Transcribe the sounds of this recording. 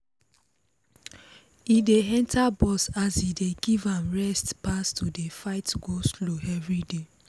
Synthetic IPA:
ideɛ̃ntʰabɔsazideɡivãmɹɛstpastudefaɪtɡosloɛvɹide

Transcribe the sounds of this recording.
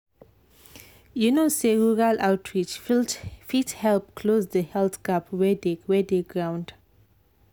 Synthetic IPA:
junoseɹuɹalʔawtʰɹit͡ʃflfithɛlpkʰlozdəhɛlθɡapwɛdewɛdeɡɹãw̃nd

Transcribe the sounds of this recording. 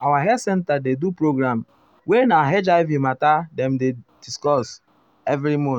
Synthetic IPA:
awaɦɛsɛ̃ntadedupɾoɡɾam | wenaɦed͡ʒaɪvimatadɛ̃mded̥iskɔs | ɛvɾimɔ̃

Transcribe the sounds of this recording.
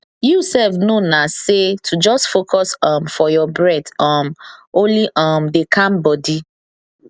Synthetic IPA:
jusɛlfnonasetʰud͡ʒɔstfokʰɔsɔ̃mfɔjɔbɹɛtɔ̃mõnliʔɔmdekʰãmbɔdi

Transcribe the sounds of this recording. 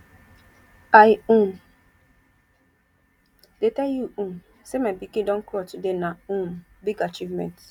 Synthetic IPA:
ajũm | detɛljuũm | semabikĩdɔ̃nkɾɔtudenaũmbiɡat͡ʃivmɛ̰̃nt

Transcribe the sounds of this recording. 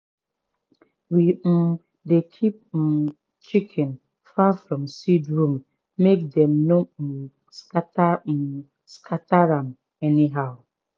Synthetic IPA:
wim̩ | dekʰip̚m̩ | t͡ʃikʰɪ̃n | fafɹɔ̃msidɹũm | mek̚dɛ̃mno | skata | skʰataɾam | ɛniɦaʊ

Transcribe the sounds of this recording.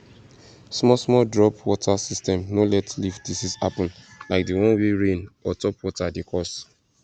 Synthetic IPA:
smɔsmɔldɹɔpwɔtʰasistɛ̃mnolɛtlifdisisapɔ̃nlaɪk̚diwɔ̃nweɹẽnɔtɔpwɔtadekʰɔs

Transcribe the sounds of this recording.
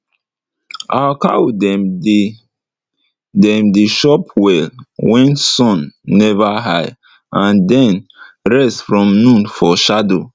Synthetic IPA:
awka̰wdɛm | dɛ̃mdiʃɔpwɛlwɛ̃nsɔ̃nːɛvaɦaj | ãndɛ̃nɹɛstfɹɔ̃mnũnfɔʃado

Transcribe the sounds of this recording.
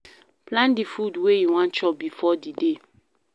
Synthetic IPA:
plãndifudwejiwãnt͡ʃɔp̚bifɔdide

